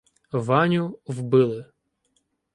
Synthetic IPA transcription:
ʋɑnʲʊwbɪlˠɪ

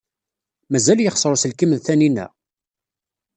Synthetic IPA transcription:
mæzæljəχsˤɾˤsəlkəmðθæninæ̰

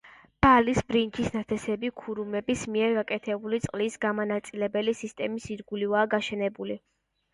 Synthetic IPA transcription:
b̥alisbɾint͡ʃʰisnat̪ʰɛsɛbikʰuɾumɛbismiɛɾɡakʼɛt̪ʰɛbulit̪sʼqʼlisɡamanat̪sʼilɛbɛlisist̪ʼɛmisiɾɡulivaːɡaʃɛnɛbuli

